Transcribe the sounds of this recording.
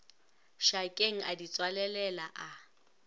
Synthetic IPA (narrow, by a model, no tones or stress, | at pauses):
ʃakʼeŋ̩ʔadit͡sʼwalɛlɛlaʔa